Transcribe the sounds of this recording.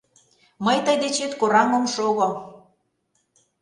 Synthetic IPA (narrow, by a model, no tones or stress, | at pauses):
məjt̪əjd̪et͡ɕet̪koɾɑŋəmʃoɣo